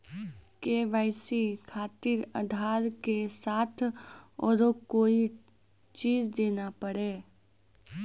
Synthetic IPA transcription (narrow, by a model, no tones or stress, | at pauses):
keːʋaːɪsikʰaːt̪ɪɾə̰d̪ʱaːɾkesaːt̪ʰɔːɾokoːi | t͡ʃiːd͡ʒd̪eːnapəɽeː